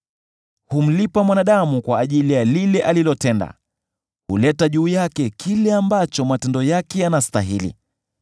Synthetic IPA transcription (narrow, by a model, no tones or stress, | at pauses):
hum̩lipamwanaɗamukwaːʄilijalilɛʔalilɔtɛnda̰ | hulɛtaʄuːjakɛkʰilɛambat͡ʃɔmatɛndɔjakɛjanasta̰ɦilḭ